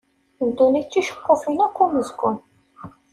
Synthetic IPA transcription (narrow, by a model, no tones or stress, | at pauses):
ənd̪unit͡sːiʃə̥qːofinækʷːuməzkʷʊn